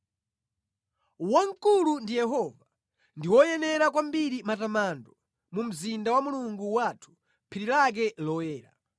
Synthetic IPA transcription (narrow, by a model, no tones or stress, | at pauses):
waŋkulundijɛɦɔva | ndiwɔjɛnɛɾak̬wambiɾimatamandɔ | mum̩zindawamuluŋɡuwatʰu̥ | pʰiɾilak̬ɛlɔwɛːɾa̰